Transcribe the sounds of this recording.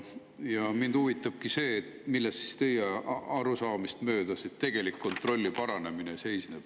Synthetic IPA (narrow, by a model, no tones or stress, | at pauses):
jɑmind̪uvit̪ːˑɑb̥̚kise̞ːt̪milːest̪si̥st̪e̞jeɑɾusɑːmist̪mø̞ːd̪̥ɑsit̪t̪ːe̞ɡ̥e̞likːo̞nt̪ro̞lʲːipɑɾɑne̞mine̞se̞jsneb̥